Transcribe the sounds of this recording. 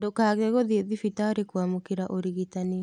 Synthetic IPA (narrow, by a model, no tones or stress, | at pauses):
dokaːɣɛɣoðeðifitaoɾekwamokeɾaʔoɾiɣitane